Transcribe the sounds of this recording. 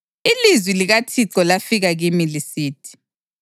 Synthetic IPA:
ilizwiliɣatʰiǀɔlafiɣaɣimilisiːtʰi̥

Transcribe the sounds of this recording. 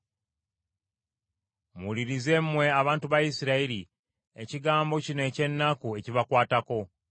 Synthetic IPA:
muliɾize̞mmːwe̞aβaːntuβajisiɾaiɾi | e̞̰ciɡaːmbo̞cinoe̞ːce̞nːakue̞ciβakwaːtako̞

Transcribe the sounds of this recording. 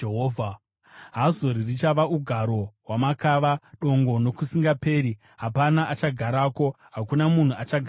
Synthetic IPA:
eɦoːvʱa | ɦazo̞ɾirit͡ʃaʋaʔuɡʱaɾo̞ɦwamakaʋaɗo̞ŋɡo̞no̞kusiŋɡape̞ːɾi | ɦapanaʔat͡ʃaɡʱaɾako̞ | ɦakunamun̤uat͡ʃaɡʱa

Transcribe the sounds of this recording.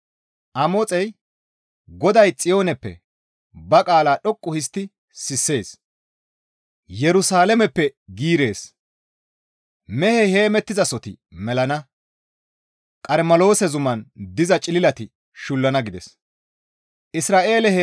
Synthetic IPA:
ʔɐmot͡sʼɛj | ɡɔd̪ɐjt͡sʼɪjo̞ːnɛpːɛ̰ | bɐkʼaːlaːɗɔkʼːʊhɪs̬t̪ːɪ | sɪsːe̞ːs | jɛɾʊsaːlɛmɛpːɛɡiːɾe̞ːs | mɛhɛhe̞ːmɛt̪ːɪzɐsɔt̪ɪmɛlɐnɐ | kʼɐɾmɐlo̞ːsɛzʊmɐnd̪ɪzɐt͡ʃʼɪlɪlɐt̪ɪ | ʃʊlːɐnɐɡɪd̪ɛ̰s | ʔɪsɾaːʔe̞ːlɛh

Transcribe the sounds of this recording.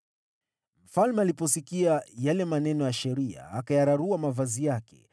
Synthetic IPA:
m̩falmɛalipɔsikiajalɛmanɛnɔjaʃɛɾia̰akajaɾaɾuamavazijakɛ̰

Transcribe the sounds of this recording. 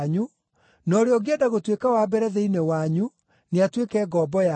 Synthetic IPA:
ɲu | nɔɾeɔɡeɛdaɣotwekawaːbɛɾɛðeinewaɲu | neatwekɛːɡɔbɔja

